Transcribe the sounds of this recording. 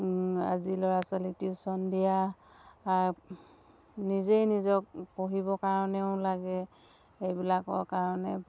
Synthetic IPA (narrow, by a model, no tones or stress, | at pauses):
azilɔɹasalitisɔndija | aɹ | nizejnizɔk̚poɦibɔkaɹɔnɛʊlaɡɛ | ejbilakɔkaɹɔnɛ